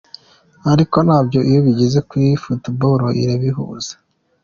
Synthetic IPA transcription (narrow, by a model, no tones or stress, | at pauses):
aɾiko̞nhaːbɟo̞ʔijoβiɟize̞kwifutiboɾoʔḭɾeβiɦṵːz̥ḁ